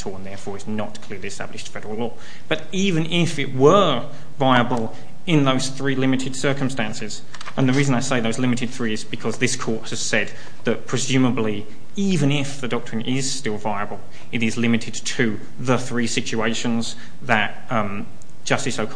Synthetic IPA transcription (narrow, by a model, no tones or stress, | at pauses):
tʰɔə̃nðɛɹfɔɹɨznət̚kʰl̥ɪɹlˠiɨstæ̰blɨʃtfɹɛdəɹəlɔː | b̥ʌɾ | ivɨ̃nʔɪfɪʔ̚wə˞ | vaɪəbəlˠ | ɪ̃nðoʊz̥θɹilɪmɨɾɨd̥sɜ˞kə̃m̩stæ̃nsɪz̥ | ə̃nðɨɹizə̃naɪseɪðoʊzlɪ̃mɨɾɨd̪̚θɹiɨzbɨkʰʌzðɪskʰɔɹt̚hɨz̥sɛd̪̚ | ðɨt̚pʰɹ̥ɨzʉməbli | ivɨ̃nɪfðɨdɔk̚tɹ̥ɨ̃nʔɪz̥stɪlˠvaɪəbəlˠ | ɨɾɨzlɪ̃mɨɾɨd̚tʰɨ | ðəθɹisɪt͡ʃʉeɪʃɨ̃nz | ðɨt̚ | d̥ʒ̥ʌstɨsoʊkʰ